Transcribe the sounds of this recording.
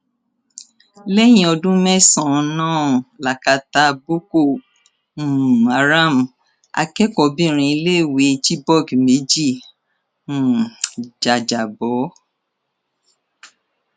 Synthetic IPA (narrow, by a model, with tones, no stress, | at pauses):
lɛ˦j̃ĩ˧˦ɔ˧dũ˦mɛ̃˦sã˦˨˧nãː˦˨la˨ka˨˧ta˧bo˦ko˦˨ | ũ˨a˨ɾa˦˨m˨ | a̰˧kɛ˦kɔ˨bĩ˦˧ɾ̃ĩ˧i˧le˦˨we˨˦t͡ʃi˦bɔ˦˨ɡme˨˦d͡ʒĩ˦˨ | d͡ʒa˨d͡ʒa˨bɔ˨˦